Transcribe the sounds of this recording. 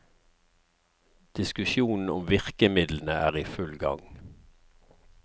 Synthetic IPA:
d̪̥ɪskʉʃjuːnn̩ʊmʋɪʁkəmɪd̪ln̩əʔæːʁiːfʉlɡɑ̰ŋ

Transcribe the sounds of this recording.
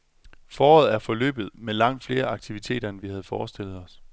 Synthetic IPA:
fɒːɒð̞̩ˠæɐfɒ̽lø̰ːb̥ð̞̩ˠmelɑ̈ŋ̰d̥fle̝ːɐʔɑ̈ɡ̥̚t͡sʰiʋit͡sʰe̝̰ːd̥ɐnəʋihæð̞ˠfɒːsd̥e̝l̰ð̩ˠɒ̽s

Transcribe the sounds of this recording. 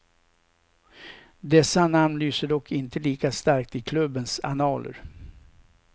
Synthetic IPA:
d̪ɛsːanamnlyːsəɖɔkʰːɪnt̪əliːkast̪aɾk̚t̪ɪkʰlɵbːənsa̰nɑːlə̰ɾ

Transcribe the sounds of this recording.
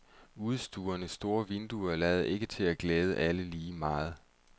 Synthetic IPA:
uð̞ˠsd̥uːɐnəsːd̥o̝ːɐʋe̝nd̥uɐlɛːð̩ˠʔe̝ɡ̥ət͡sʰe̝læɡ̥lɛːð̞ˠəʔæləliːmɑ̈ːð̞̩ˠ

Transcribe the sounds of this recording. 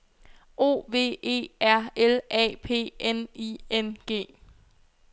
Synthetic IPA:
ʔo̝̰ːʋe̝̰ːe̝̰ːæɐ̰elʔɛ̰ːpʰe̝̰ːeniːenɡ̥e̝̰ː

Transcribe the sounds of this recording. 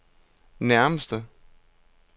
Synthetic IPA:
næɐməsd̥ə

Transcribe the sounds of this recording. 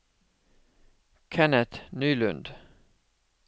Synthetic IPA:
kʰɛnət̪nyːlʉ̰nd̪

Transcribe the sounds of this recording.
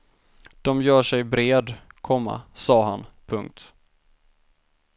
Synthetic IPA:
d̪̥ɔmjœːʂɛjbɾeːd̪kʰɔmːa̰sɑːɦanpʰɵŋk̚t̪

